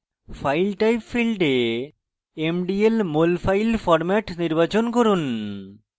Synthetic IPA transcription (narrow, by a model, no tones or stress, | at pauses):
fʰajlʈajpfilɖe | emɖielmolfʰajlfɔɾmɛʈniɾbat͡ɕonkoɾun